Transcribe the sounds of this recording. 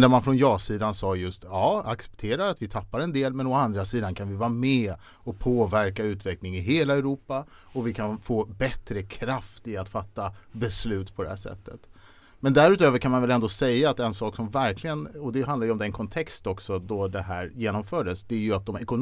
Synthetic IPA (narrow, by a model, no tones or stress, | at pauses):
d̪æmanfɾɔnjɑːsiːd̪ansɑːjɵst̪ɑːaksɛ̥pt̪ʰeːɾaɾat̪vɪt̪ʰapːaɾɛnd̪eːlmɛnɔand̪ɾasiːd̪ankʰanvɪvɑːɾamɛ | ɔpʰoːvæɾkaʉ̟ːt̪vɛklɪŋɪɦeːlaɛɾuːpa | ɔvɪkʰanfoːbɛt̪ɾəkʰɾaft̪ɪat̪fat̪ːabɛslʉ̟ːt̪pʰɔd̪ɛhæːʂɛ̰t̪ːət̪ | mɛnd̪æɾʉ̟t̪øːvəɾkʰanmanvɛlɛnd̪oːsɛjːaːt̪ɛnsɑːksɔmvæɾklɪɡənɔd̪ɛɦand̪ajɔmd̪ɛnkʰɔnt̪ʰɛkst̪ɔksɔd̪ɔd̪ɛɦæːɾjeːnɔmfœːɖəsd̪ɛæɾjɵat̪̚d̪ɔmɛkʊn